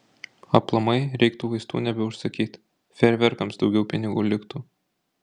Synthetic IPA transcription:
ɐplˠɐmɐɪɾʲʔɛɪkt̪uːʋɐɪst̪ṵːnʲɛbʲɛʊʃsɐkʲiːt̪ʲ | fʲɛɾʲʋʲɛɾkɐmsd̪ɒʊɡʲɛʊpʲɪnʲɪɡuːlʲɪkt̪uː

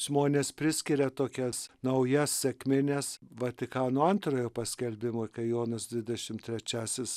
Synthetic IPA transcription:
ʒ̥moːnʲeːspʲɾʲɪsʲkʲɪɾʲɛt̪oːkʲɛsnɐʊjɛssʲɛkmʲɪnʲɛsʋɐt̪ʲɪkɑːnoːɐnt̪roːjoːpɐsʲkʲɛlʲbʲɪmoːkɐɪjoːnɐsd̪ʲʋʲɪdʲɛʃʲɪmt̪ʲɾʲɛt͡ʃʲæːsʲɪs

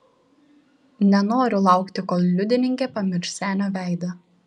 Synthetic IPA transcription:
nʲɛnoːɾʲʊlˠɑˑʊkt̪ʲɪkoːlˠlʲʊd̪ʲɪnʲɪŋʲkʲeːpɐmʲɪɾʲʃsʲæːnʲoːʋʲæˑɪd̪ɐ

